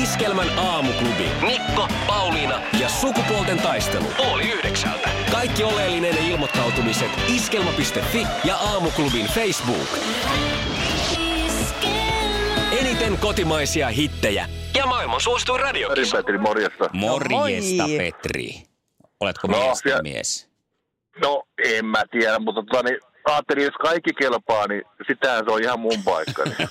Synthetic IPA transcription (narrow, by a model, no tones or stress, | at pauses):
iske̞lmænɑːmuklubḭnmikːo̞ | pɑulinɑjɑsukupoolt̪e̞nt̪ɑjst̪e̞̰lṵpuoliyhde̞ksæ̰lt̪æ̰kɑjkːio̞leːlːine̞njɑilmo̞t̪ːɑwt̪umiset̪iske̞lmɑpist̪e̞fːi | jɑʔɑːmuklubinfejsbṵːk | enit̪eŋko̞t̪imɑjsiɑɦit̪ːejæ̰jɑmɑːilmɑnsuost̪uirɑdioɾimpet̪rimorjest̪ɑmorjḛst̪ɑpḛt̪rḭ | olet̪konosmḭḛs | noemmæt̪iæɾæmmut̪ːɑt̪ot̪ɑni | ɑːt̪ːelieskɑikːikelpɑːnisit̪ːehænseoihɑmmumpɑikːɑ̰nḭ